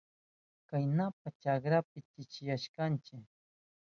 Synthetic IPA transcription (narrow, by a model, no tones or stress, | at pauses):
kajnap̚at͡ʃakɾapɪt̪ɪt͡ʃɪjaʃkant͡ʃɪk